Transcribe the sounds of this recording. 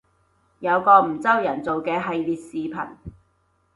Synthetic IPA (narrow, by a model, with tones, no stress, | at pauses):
jɐ˨˧wkɔː˧m̩˨˩t͡sɐ˥wjɐ˨˩nt͡so˨wkɛː˧ɦɐ˨jliː˨t̚siː˨˧pʰɐ˨˩n